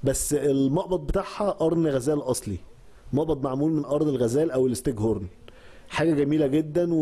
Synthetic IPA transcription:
bæsːelmɑʔbɑt̪̚ˤbet̪aʕhæʔɑɾˤnɣæzæːlʔɑsˤli | mɑʔbɑt̪̚ˤmaʕmuːlmenʔɑɾˤnelɣæzæːlʔæwelest̪eɡhoɾˤn | ħaːɡæɡæmiːlæɡed̪ːænw

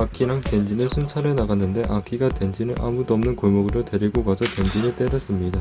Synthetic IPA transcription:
akʰiɾaŋte̞nd͡ʑinɯɭsʰunt͡ɕʰaɾenaɡanːɯnde̞ʔakʰiɡatwe̞nd͡ʑinɯɭʔa̰mudʌmnɯnkoɭmʌɡɯɾote̞ɾiɡoɡasʰʌte̞nd͡ʑinɯɭt͈e̞ɾas͈ɯmɲida

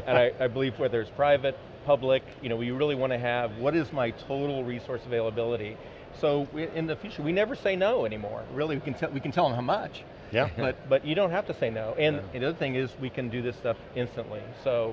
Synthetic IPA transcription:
ɨ̃naɪaɪbəlivwə˞ðə˞z̥pʰɹ̥aɪvɨt̚ | pʰʌblɪkjɨñoʊwjɨɹɪlˠiwɑ̃ñɨɨvwʌɾɪzmaɪtʰoʊɾl̩ˠɹisɔɹsəveɪlˠəbɪlˠəɾi | soʊɪʔɪ̃nðɨfjʉt͡ʃə˞winɛvə˞seɪnoʊɛñimɔ̰ɹɹɪlˠiwikɨ̃n̩tʰɛlwikɨn̩tʰɛlˠə̃mɦaʊmʌt͡ʃ | jæb̥ʌt̚b̥ʌt͡ʃɨɾõʊ̃nt̚ɦæftɨseɪnoʊʔɨ̃nðiʌðə˞θɪ̃ŋɪzwikɨ̃ndɨðɪstʌfɪ̃nstɨ̃nʔlisoʊ

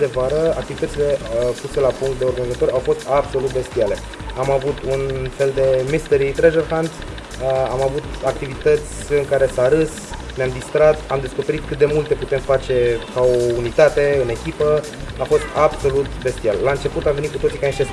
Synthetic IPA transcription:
d̪e̞vaɾəa̰k̚t̪ivit̪ət̪ile̞puse̞lapuŋkt̪̚d̪e̞o̞rɡanizat̪o̞ɾawfo̞st̪abso̞lut̪̚be̞st̪iale̞ | amavut̪unfe̞ld̪e̞mist̪əɾit̪ɾeʒerhand̪s | amavut̪ak̚t̪ivit̪ət̪sʲɨŋkaɾe̞saɾɨs | neamd̪ist̪ɾat̪amd̪e̞sko̞pe̞ɾit̪̚kɨt̪̚d̪e̞mult̪e̞put̪e̞mfat͡ʃe̞kao̞unit̪at̪e̞ɨne̞kʲipə | afo̞st̪abso̞lut̪be̞st̪iallaɨnt͡ʃe̞put̪amve̞nit̪kut̪ot̪sikaniʃt̪e

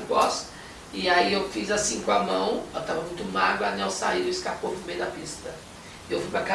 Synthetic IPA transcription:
pɔs | ɪaiewfizasĩkõamɐ̃w̃ɛwt̪avɐmũj̃t̪ʊmaɡɾʊanɛwsa̰iʊɪskapovũmejd̪ɐpist̪ɐ | ɪewfujpɾaka

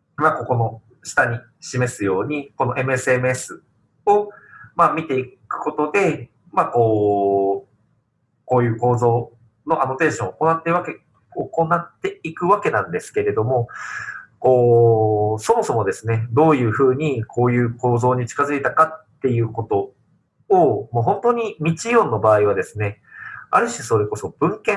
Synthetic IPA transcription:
makoko̞no̞ | ɕi̥t̪aɲ̟i | ɕime̞sɨjo̞ːɲ̟iko̞no̞ʔe̞mɯ̟esɨe̞mɯ̟e̞sɨ | o̞mamʲit̪e̞ikɯ̟̥ko̞t̪o̞d̪e̞ | mako̞ː | ko̞ːjɯ̟ːko̞ːzo̞ː | no̞ʔano̞t̪ẽ̞ːɕõ̞oko̞nat̪ːeɯβake̞ | oko̞nat̪ːe̞ikɯ̟βake̞nãnd̪e̞sɨ̥ke̞ɾe̞d̪o̞mo̞ | ko̞ː | so̞mo̞so̞mo̞d̪e̞sɨne̞d̪o̞ːjɯ̟ːɸɯ̟ːɲ̟ikʰo̞ːjɯ̟ːko̞ːzo̞ːɲ̟it͡ɕi̥kazɨit̪akat̪ːe̞jɯ̟ːko̞t̪o̞ | omoːɦõ̞nt̪oːɲ̟imʲit͡ɕijõ̞nːo̞baːiβ̞ad̪e̞sɨne̞a̰ɾɯ̟ɕiso̞ɾe̞ko̞so̞b̥ɯ̟̃ŋkẽ

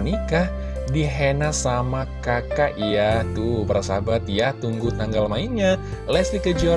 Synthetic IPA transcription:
nikah | diɦenasamakakaʔjaht̪ubərasabat̪̚jaht̪uŋɡut̪aŋɡalmaiɲa | lɛsdikəd͡ʒiɔ

